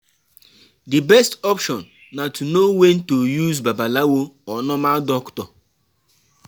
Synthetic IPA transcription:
dibɛstɔpʃɔnː | atʰunowen̩tojuzbabalawoɔnɔmadɔktɔ

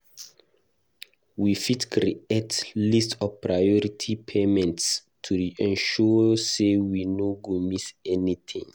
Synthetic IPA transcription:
wifitkɹḭetlistɔvpʰɹajɔɹitʰipʰemɛ̃nts | tʰuɹiʔɛ̃nʃɔsewinoɡomisɛnit̪ʰĩŋ

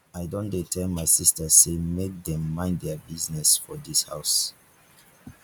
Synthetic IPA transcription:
aɪdɔ̃ndetʰɛmaɪsistəsemek̚dɛ̃mːãɪ̃ndɛbiznɛsfɔdisha̰ʊs

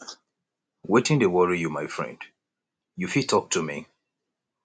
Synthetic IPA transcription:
wetɪ̃ŋtuwɔɹijumaɪfɹɛ̰̃nd̥ | jufitʰːɔk̚tʰumḭ

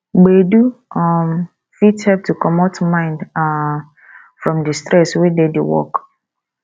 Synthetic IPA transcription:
ɡ͡beduɔm | fithɛp̚tʰukʰɔmatʰmãɪ̃nda | fɹɔ̃mdistɾɛswededewɔ̰k

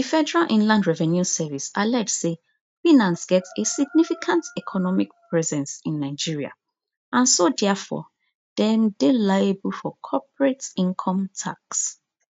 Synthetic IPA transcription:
ðifɛdɛɹalʔĩnlãndɹɛvɛ̃njusɛvisalɛtse | fĩnãnsɡ̥ɛtesiɡ̚nifikʰãntɛkʰɔnɔmikpʰɹɛzɛ̃nsĩnːaɪd͡ʒiɹia̰ | ãnsodɛfɔ̰ | d̥ɛ̃mdelajebulfɔkʰɔpɹetĩŋkʰɔ̃mtʰa̰ks

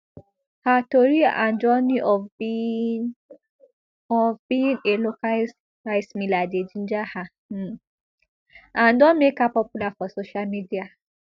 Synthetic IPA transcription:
hatoɾiã̰ndɔniʔɔ | ɔvbĩneloka | aismiladed͡ʒin̩d͡ʒahã | ãndɔmekapɔpulafɔsoʃalmidia

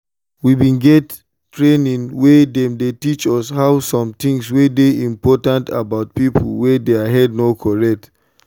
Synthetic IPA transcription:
wibĩnɡɛt | tɹenĩnwedɛ̃mdetit͡ʃɔshaʊsɔ̃mt̪ĩŋswedeĩmpɔtãnta̰baʊt̚pipʰə̰l̩wɛdeaɦɛd̚nokʰɔɹɛk̚t

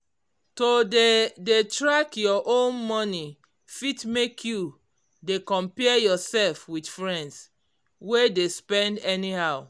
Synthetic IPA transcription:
todedetɹakjɔʔõnmɔni | fitmekʰju | dekɔ̃mpɛjɔsɛlfwidfɹɛ̃nds | wedespɛ̃ndɛnihaʊ

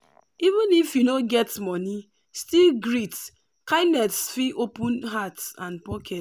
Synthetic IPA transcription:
ivũnifjunoɡɛtmɔni | stilɡɾit | kaɪnɛtsfiʔopũnɦatsãnpɔkʰɛt

